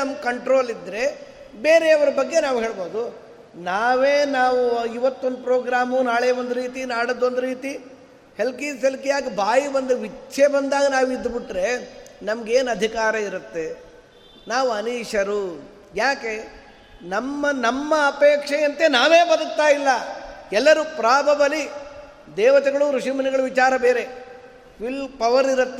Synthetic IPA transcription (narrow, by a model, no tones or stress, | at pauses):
ɐmkɐɳʈɾo̞ːlid̪ɾe̞ | beːɾeɐʋɐɾɐbɐɡːe̞naːʋuɦe̞ːɭbo̞ːd̪u | naːʋeːnaːʋuiʋɐt̪ːond̪upɾoːɡɾaːmunaːɭeːond̪uɾiːt̪inaːɽɐd̪ːo̞nd̪uɾiːt̪i | helkiːselkijaːɡibʱaːjibɐnd̪uʋit͡ʃʰːebɐnd̪aːɡɐnaːʋuid̪ːbiʈɾe̞nɐmɐɡeːnɐd̪ʱikaːɾɐiɾut̪ːe̞ | naːʋuɐniːʂɐɾu | jaːke̞ | nɐmːɐnɐmːɐːpeːkʂɐjɐnt̪enaːʋeːbɐd̪uk̚t̪aːjilːɐɛlːɐɾupɾaːbʱɐʋɐli | d̪ɛːʋɐt̪ɛɡɐɭuɾuʂimɐniɡɐɭuʋit͡ʃaːɾɐbeːɾe | pilpɐʋɐɾiɾɐt̪ːe